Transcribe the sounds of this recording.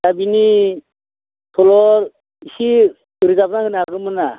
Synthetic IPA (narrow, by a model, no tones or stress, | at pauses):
dabini | tʰɔlɔɾ | isi | ɯɾizap̚nakɯnaɡɯmɯna